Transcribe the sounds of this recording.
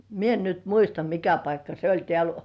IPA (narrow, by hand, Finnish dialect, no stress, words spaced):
mie en nyt muistɑ mikæ pɑikːɑ se olʲ tĕæˑl